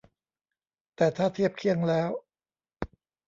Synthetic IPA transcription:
t̪ɛː˨˩t̪ʰaː˥˩t̪ʰi˥˩əp̚kʰi˥˩əŋlɛː˦˥w

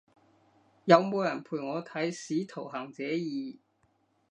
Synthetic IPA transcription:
jɐ˨˧wmo˨˧wjɐ˨˩npʰuː˨˩jŋɔː˨˧t̪ʰɐ˨˥jsiː˨˥t̪ʰo˨˩wɦaː˨˩ŋt͡sɛː˨˥jiː˨˧

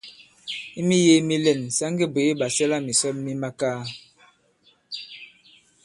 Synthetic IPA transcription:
i˦mi˦je˦mi˦lɛ˨nsa˦ŋɡe˦be˨˦ɓa˨sɛ˦la˦mi˨sɔ˦tmi˦ma˦kaː˦

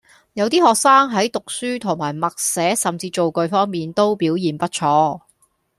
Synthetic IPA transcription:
jɐ˨˧wt̪̬iː˥hɔː˨k̚saː˥ŋɦɐ˨˥jt̪ʊ˨k̚syː˥t̪ʰʊ˨˩ŋmaː˨˩jmɐ˨k̚sɛː˨˥sɐ˨mt͡siː˧t͡ʃo˨wkɵ˧ɥfɔː˥ŋmiː˨nt̪o˥wpiː˨˥wjiː˨npɐ˥t̚t͡ʃʰɔː˧˥

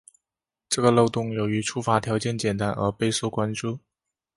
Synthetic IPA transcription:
ʈ͡ʂɤ˥˩ɡə˩lo˥˧ʊt̪ʊ˥˩ŋjo˨˩ʊy˧˥ʈ͡ʂʰu˥fa˧˥t̪ʰjɑ˧˥ʊt͡ɕjɛ˥˩nt͡ɕjɛ˨˩nt̪a˧˥nʔə̰˞˧˥pe˥˧ɪso˥˩ʊkwa˥nʈ͡ʂu˥˩

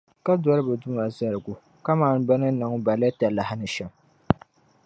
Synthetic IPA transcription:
ka˦dɔ˦ɾɨ˦bɨ˨dʊ˦ma˨za˨ɾɨ˨ɡʊ˨ | ka˦maː˦˨n˦ba˦nɨ˦nɨ˨ŋ˦ba˨lɛ˦ta˨la˨ha˦nɨ˨ʃɛ˨m

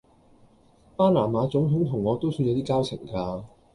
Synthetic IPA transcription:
paː˥laː˨˩maː˨˧t͡sʊ˨˥ŋt̪ʰʊ˨˥ŋt̪ʰʊ˨˩ŋːɔː˨˧t̪o˥wsyː˧jɐ˨˧wt̪iː˥kaː˥wt͡sʰɪ˨˩ŋkaː˧

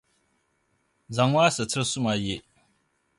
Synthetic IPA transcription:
za˨ŋwaː˦sɨ˨t͡sɨ˦ɾsʊ˦ma˨je˦

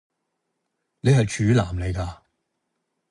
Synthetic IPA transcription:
ne˨˧jɦɐ˨jt͡ʃʰyː˨˥la̰ː˨˩mle˨˧jkaː˧

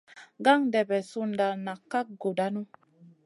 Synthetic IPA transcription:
ɡa˦ŋdɛ˨bɛ˨su˦nda˨na˨kːa˦k̚ɡo˨da˦nu˦

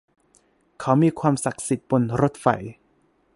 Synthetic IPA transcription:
kʰa˦˥wmiː˧kʰwaː˧msa˨˩k̚si˨˩t̪̚bo˧nɾo˦˥t̪̚fa̰˨˩j

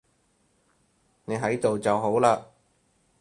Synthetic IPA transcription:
ne˨˧ɦɐ˨˥jt̪o˨wt͡sɐ˨wɦo˨˥wlaː˧

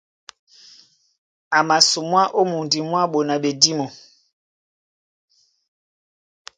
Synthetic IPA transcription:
a˨ma˨su˨mwa˦ʔo˦mu˨ndi˨mwa˦ɓo˨na˨ɓe˨di˦mɔ˨

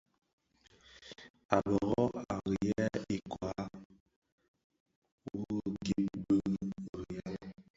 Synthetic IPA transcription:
a˨bɔ˨ɣɔ˦a˨ɣi˨jɛ˦i˨kwa˨˦ | wu˦˨ɡi˦p̚bə˦ɣə˨ja˦

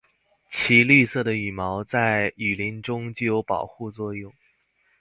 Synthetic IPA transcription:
t͡ɕʰi˧˥ly˥˧sɤ˥˩d̪ə˩y˨˩mɑ˧˥ʊt͡sa˥˩ɪy˨˩li˧˥nʈ͡ʂʊ˥ŋt͡ɕjjo˧˥ʊpɑ˨˩ʊxu˥˧t͡swɔ˥˧jʊ˥˩ŋ

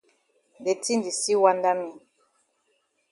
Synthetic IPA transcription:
nde˨ti˦ndi˨si˦wa˦nda˦mi˨

